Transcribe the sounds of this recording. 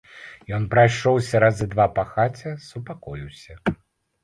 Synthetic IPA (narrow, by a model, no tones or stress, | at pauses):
jɔnpɾajʂɔwsʲɐɾazɨd̪vapɐxat͡sʲɐsupakɔjiwsʲɐ